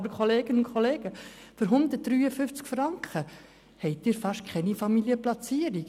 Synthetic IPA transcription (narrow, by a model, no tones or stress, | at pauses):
bəɾkʰoleːɡ̥ənʊnkʰχoleːɡəføɾɦʊnd̪ət̚d̥ɾyːəfʏft͡skfɾɑŋkχə | hɛɪt̚iːɾfɑʃtkʰχɛnifɑmiliəplɑt͡siːəɾik